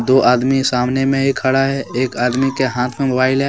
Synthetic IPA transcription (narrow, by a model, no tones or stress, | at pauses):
d̪oːʔaːd̪misaːmnemẽɦkʰːɐɽaɦɛeːkaːd̪mikeɦãːt̪ʰmẽmʊbaːɪlɦɛ